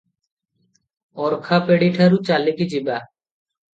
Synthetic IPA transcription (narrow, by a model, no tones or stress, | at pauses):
ɔɾkʰapeɽiʈʰaɾut͡ʃalekid͡ʒiba